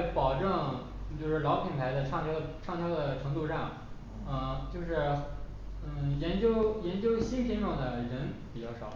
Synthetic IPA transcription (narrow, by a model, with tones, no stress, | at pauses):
pɑ˨˩ʊʈ͡ʂɤ˥˩ŋ | t͡ɕjo˥˧ʊʂɻ̩˥˩lɑ˧˥ʊpʰi˨˩npʰa˧˥ɪd̪ə˧ʈ͡ʂʰɑ˥˧ŋt̪jɑ˥ʈ͡ʂʰɑ˥˧ŋt̪ʰjɑ˥d̪ə˨ʈ͡ʂʰɤ˧˥ŋt̪u˥˧ʂa˥˩ŋ | ə˥˩t͡ɕjo˥˧ʊʂɻ̩˥˩ | n̩˥˩jɛ˧˥nt͡ɕjo˥ʊjɛ˧˥nt͡ɕjo˥ʊɕi˥nɕʰi˥ʈ͡ʂʊ˥˩ŋd̪ə˩ɻə˧˥npi˨˩t͡ɕjɑ˥˩ʊɑ˨˩˦